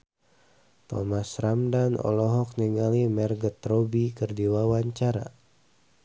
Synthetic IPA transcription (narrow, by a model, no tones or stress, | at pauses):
t̪ɔ̰masramdanɔ̰lɔɦɔk̚niŋalimɛrɡət̪robikərdiwawaɲt͡ʃaɾa̰